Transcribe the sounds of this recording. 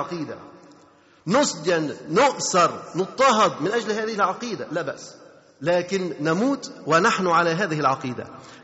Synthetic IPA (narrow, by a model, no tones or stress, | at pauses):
ɑqiːd̪a̰ | nʊsˤd̪janːʊʔθɑɾˤnɨt̪ˤːɑɦɑd̪ˤmɪnʔad͡ʒlhaːðɪhɪlʕɑqiːd̪alabaʔsː | laːkɪnːamuːt̪wɪnaħnʊʕalaɦaːðɪhɪlʕɑqiːd̪a̰